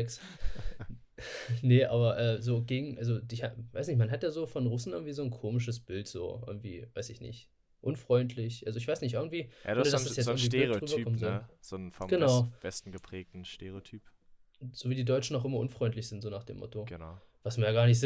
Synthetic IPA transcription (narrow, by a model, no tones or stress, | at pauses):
ɛks | nəʔa̰ːbɐʔɛːzoːɡeːɡŋ̩ʔalzodɪçhava̰ɪsnɪçmanɦatjaːzoːfɔnʁʊsn̩ʔɪɐɡŋ̩tviːzoːnkʰoːmɪʃ̬əs̬b̥ɪltz̥o̰ːʔɪ̰ɐɡŋ̩tv̥ḭːvaɪsɪçnɪ̰ç | ʔʊnfʁ̥ɔʏntʰlɪçʔalzoɪçv̥aɪsnɪç̬tʔɪɐɡŋ̩tv̥iːja̰ːɐdasd̥asjɛt͡sɐŋv̥iɪʁʁybɐɡːkɔmənzɔz̥onfɔɡ̥ənaʊv̥ɛstn̩ɡəpʁ̥ɛːk̚tn̩ʃteʁeotʰyːp | z̥oːviːdiːdɔʏt͡ʃn̩nːɔχʔɪmɐʔʊnfʁ̥ɔʏntlɪçz̥ɪntz̥oːnaːχd̥ḛːmːɔ̰toɡənʊ | v̥asmiɐjaːɡaːɐnɪçtz̥